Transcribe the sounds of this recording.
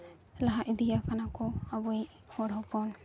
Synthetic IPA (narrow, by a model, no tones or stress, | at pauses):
laɦaʔid̪ijakanakɔabɔi | hɔɾɦɔpɔn